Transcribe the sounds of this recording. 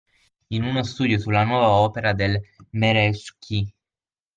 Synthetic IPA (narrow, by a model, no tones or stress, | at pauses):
inunost̪uːd̪josulːanwɔːvaɔːpeɾad̪elmeɾɛskʰi